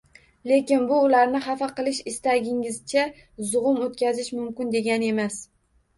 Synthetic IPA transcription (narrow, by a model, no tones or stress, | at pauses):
le̞kʲɪnbʊːlaɾnɪχafaqɨlˠɪʃɪst̪aɡʲɪŋɪzt͡ʃʰa | zʊʁʊmot̪̚kʲazɪʃmʊmkʲɪnd̪e̞ɡʲane̞mas